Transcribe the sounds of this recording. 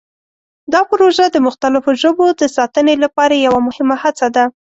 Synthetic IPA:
d̪ɑpʊɾoʒad̪əmʊxt̪alɪfoʒəbod̪əsɑt̪ənelapɑɾajawamʊhɪmahat͡sad̪a

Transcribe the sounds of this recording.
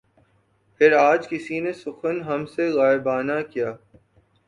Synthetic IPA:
pʰɪɾaːd͡ʒkɪsinesʊxənɦɐmseɣaːɪbaːnakijaː

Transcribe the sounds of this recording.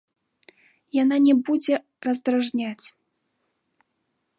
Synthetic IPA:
jananʲɛbud͡zʲɛ | rɐzd̪ɾaʐnʲat͡sʲ

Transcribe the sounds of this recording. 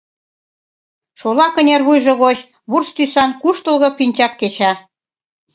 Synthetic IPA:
ʃolɑkə̆nʲerβujʒɤ̆ɣot͡ɕ | βurst̪ysɑnkuʃt̪ə̆lɣɤ̆pinʲt͡ɕɑkːet͡ɕɑ

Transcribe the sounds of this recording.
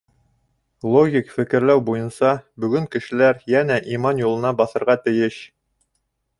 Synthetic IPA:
lˠoɡʲikfɘ̆kɘ̆ɾlæwbujɤ̆nsɑbɵ̆ɡɵŋkɘ̆ʃɘ̆læɾjænæʔimɑnjulˠɤ̆nɑbɑθɤ̆ɾʁɑt̪ɘ̆jɘɕ

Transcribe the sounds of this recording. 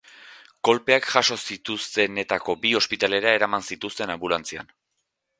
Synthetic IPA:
ko̞lpe̞akʝaʃo̞sit̪ust̪e̞ne̞t̪ako̞bio̞spit̪ale̞ɾae̞ɾamansit̪ust̪e̞nambulant͡sia̰n

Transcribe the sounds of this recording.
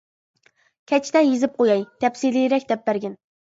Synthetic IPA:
kʲʰɛt͡ʃʰt̪ɛjizɪp̚qojɑjt̪ɛpsilijɾɛkʲd̪ɛp̚bæɾɡʲɪn

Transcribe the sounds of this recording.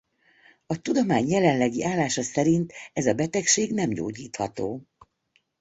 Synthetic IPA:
ɒt̪ud̪omaːɲjɛlɛnlɛɡiʔaːlːaːʃɒsɛɾint̪ɛzɒbɛt̪ɛkʃeːɡnɛmɟo̰ːɟiːt̪hɒt̪oː

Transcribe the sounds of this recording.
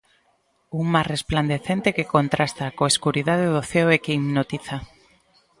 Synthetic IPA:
uŋmasrespland̪eθent̪ekekont̪ɾʔast̪akoeskuɾiðaðeðoθɛoɛkeimnot̪iθa

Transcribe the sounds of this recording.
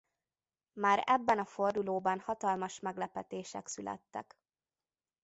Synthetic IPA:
maːɾɛbːɛnɒfo̞rd̪uloːbɒnhɒt̪ɒlmɒʃmɛɡlɛpɛt̪eːʃɛ̰ksylɛ̰t̪ːɛ̰k

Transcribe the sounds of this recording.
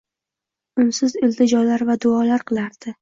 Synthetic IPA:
ʊnsɪzɪld̪ɪd͡ʒɒlaɾvad̪ʊɒlaɾqʰɨlˠaɾd̪̥ɪ

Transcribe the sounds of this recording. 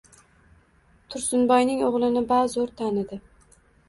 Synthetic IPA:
t̪ʰʊɾsʊnbɒjnɪŋoʁlˠɪnɪbazoɾt̪ʰanɪd̪ɪ

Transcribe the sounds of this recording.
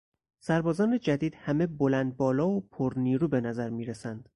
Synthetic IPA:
sæɾbɒːzɒːned͡ʒæd̪iːd̪̥hæme̞bolænd̪̚bɒːlɒːopʰoɾniːɾuːbe̞næzæɾmiːɾesænd̪̥

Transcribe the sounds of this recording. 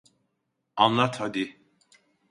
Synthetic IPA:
ɑnlˠat̪ʰad̪i

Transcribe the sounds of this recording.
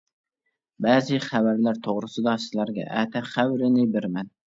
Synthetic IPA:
bɛːzɪχæbæɾlæɾt̪ʰoʁɾɨsɨd̪ɑsɪzlæɾɡʲɛ̰ʔæt̪ʰɛχæwɾɪnɪbɪɾmɛn

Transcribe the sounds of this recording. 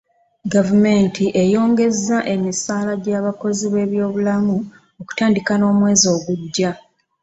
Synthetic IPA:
ɡavume̞ntʰiʔejo̞ːŋɡe̞zːaʔe̞misaːlaɟaːβako̞ziβe̞ːβjo̞ːβulamu | oku̥taːndikano̞ːmwe̞ːzo̞ːɡuɟːa

